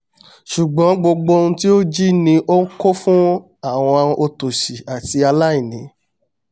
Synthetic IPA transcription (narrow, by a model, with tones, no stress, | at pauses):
ʃu˨ɡ͡bɔ̃˨˦ɡ͡bo˧ɡ͡bõ˧ti˦o˦d͡ʒi˦nĩ˧ʔo˦n̩˦ko˦fũ˦ | a˦˨w̃ɔ̃˧o˧to˨ʃi˨a˨ti˧a˧la˦i˦˨nĩ˨˦